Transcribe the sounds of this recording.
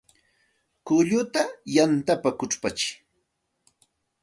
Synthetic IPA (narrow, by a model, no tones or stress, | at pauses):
kʊʎʊt̪ajant̪apakʊʈ͡ʂpat͡ʃɪ̥